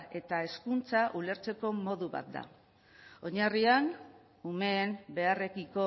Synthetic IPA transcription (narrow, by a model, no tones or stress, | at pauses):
e̞t̪ae̞skunt͡saʔule̞ɾt͡se̞ko̞mo̞ðuβa̰t̪̚d̪a̰ | o̞ɲarian | umeːmbe̞are̞kiko̞